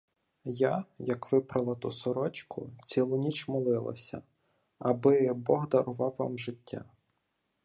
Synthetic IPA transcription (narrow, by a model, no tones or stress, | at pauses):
jajɐkʋɪpɾɐlˠɐt̪usɔɾɔt͡ʃkʰʊt͡sʲilˠʊnʲit͡ʃmɔlˠɪlˠɐ̰sʲɐ̰ | ɐbɪbɔɦd̪ɐɾʊʋɑwːɑ̰mʒɪtʲʰːa̰